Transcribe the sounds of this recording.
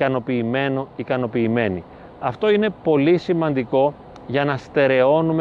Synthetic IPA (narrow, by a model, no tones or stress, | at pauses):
kɐno̞piːmenoikɐno̞piːme̞ni | ɐft̪o̞ine̞po̞lisimɐnd̪iko̞ | ʝɐnɐst̪e̞ɾe̞o̞num